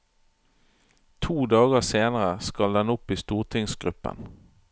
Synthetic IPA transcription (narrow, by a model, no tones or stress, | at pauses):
t̪ʰuːd̪ɑːɡəseːnəʁəskɑld̪ɛnʊpiːst̪uːʁt̪ʰɪŋsɡʁʉpə̰n